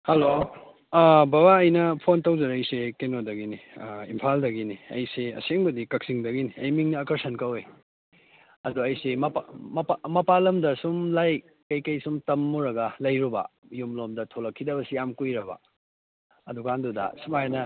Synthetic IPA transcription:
hɐlo | babaɐjnɐpʰontɐwzɐɾɐjsekenodɐɡiniimpʰaldɐɡiniɐ̰jseɐ̰seŋbɐdikɐk̚siŋdɐɡiniɐjmiŋnɐːkɐɾsɐnkɐwe | ɐduɐjsemɐpamɐpamɐpalɐmdɐsumlaj | kɐjkɐjsumtɐmːuɾɐɡɐlɐjɾubɐ̰ | jumlomdɐtʰolɐkʰːidɐbɐsijamkujɾɐbɐ̰ | ɐdukandudɐ̰sumajnɐ

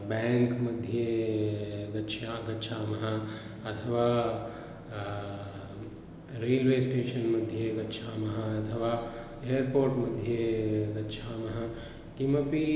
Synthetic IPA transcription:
bɛ̃ŋkməd̪ʱje | ɡɐtːʃʰaɡɐtːʃʰamɐɦã | ət̪ʰəʋa | ɾeːlʋesʈeːʃənmɐd̪ʱjeɡɐtːʃʰamɐɦãɐt̪ʰəʋa | eəɾpoːɾʈmɐd̪ʱjeɡɐtːʃʰamɐɦã | kiməpi

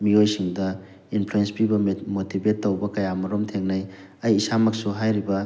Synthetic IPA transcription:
miojsiŋdɐ | inpʰluenspibɐmotibetːɐwbɐkɐjamɐɾomtʰeŋnɐj | ɐjːsamɐk̚suɦajɾibɐ

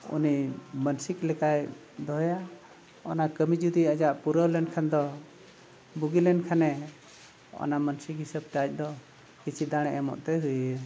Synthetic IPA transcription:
ṵnimənsiklɛkaj | d̪ɔɦja | ɔnakəmid͡ʒud̪iəd͡ʒaʔpuɾəlɛnkʰand̪ɔ | buɡilɛnkʰanɛ | ɔ̰namənsikɦisəb̚tat͡ʃ̚ˀd̪ɔ | kit͡ʃʰid̪aɽ̃ɛʔɛmɔ̰ʔt̪ɛɦuj

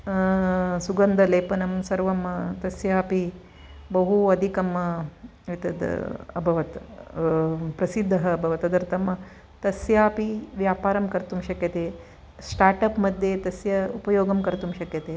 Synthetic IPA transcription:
suɡɐnd̪ʱɐleːpɐnɐmsɐɾʋɐmt̪ɐsjaːpi | bɐɦuɐd̪ʱikɐm | ʋit̪ɐd̪̰ɐbʱɐʋɐt̪ | pɾɐsid̪ʱːɐɦɐːbʱɐʋɐt̪ɐd̪ɐɾt̪ɐm | t̪ɐsjaːpiʋjaːpaːɾɐmkɐɾt̪umʃɐkjɐt̪eː | sʈaːɾʈɐpmɐd̪ʱːjet̪ɐsjɐupɐjoːɡɐmkɐɾt̪umʃɐkjɐt̪eː

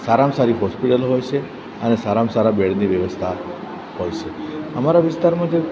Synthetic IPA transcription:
saɾamsaɾiɦɔspiʈəlɦojt͡ʃʰe | ənesaɾamsaɾabeɽniʋjəʋəst̪ʰa | ɦojt͡ʃʰeəmaɾaʋist̪aɾmãd͡ʒe

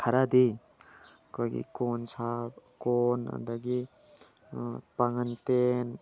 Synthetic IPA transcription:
kʰaɾad̪i | koɡḭkɔnsapkɔna̰d̪aɡi | paŋant̪en

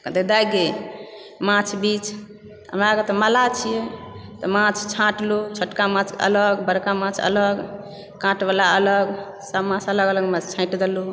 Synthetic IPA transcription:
kd̪ed̪ajɡe | mãt͡ʃʰbit͡ʃʰ | ɦə̰mɾaket̪ɔmalat͡ʃʰijɛt̪ɔmãt͡ʃʰt͡ʃʰãʈlut͡ʃʰəʈkamãt͡ʃʰə̰ləɡbəɾkamãt͡ʃʰə̰ləɡ | kãʈbalaələɡ | səbmãt͡ʃʰələɡələɡmãt͡ʃʰt͡ʃʰãɪʈd̪elu

